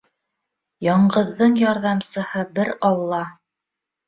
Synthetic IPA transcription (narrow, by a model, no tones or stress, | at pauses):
jɑɴɢɤ̆ðːɤɴjɑɾðɑmsɤ̆hɤbɘɾɑllˠːɑ